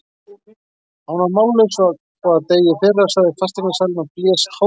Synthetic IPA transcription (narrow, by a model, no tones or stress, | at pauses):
hunaɾmaːwlesaðkaːaðt̪eːjɪθɛːrḁsaɣðɪfast̪ɪnasaːlɪnapljɛːst̪ho